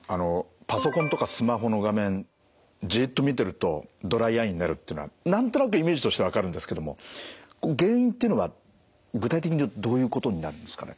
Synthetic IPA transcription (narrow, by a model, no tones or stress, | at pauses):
ano̞paso̞kõnt̪o̞kasɨmaɦo̞no̞ɡamẽ̞n | d͡ʑiːt̪ːomʲit̪e̞ɾɯ̟t̪o̞d̪o̞ɾaiaĩɲ̟inaɾɯ̟t̪ːeɯ̟noa̰nãnt̪o̞nakɯ̟ime̞ːʑit̪o̞ɕi̥t̪e̞βakaɾɯ̟nd̪esɨ̥ke̞d̪o̞mo̞̰koɡẽ̞ːɰ̃ĩnt̪eiɯ̟no̞βa | ɡɯ̟t̪ait̪ekiɲid̪o̞ːjɯ̟ːko̞t̪o̞ɲ̟inaɾɯ̟̃nd̪e̞sɨ̥ka̰nḛ